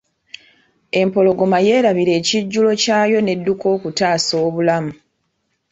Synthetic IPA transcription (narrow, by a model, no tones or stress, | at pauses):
e̞mpo̞lo̞ɡo̞maje̞ːɾaβiɾe̞ːciɟːulo̞caːjo̞ne̞dːuko̞ːkutaːso̞ːβulamu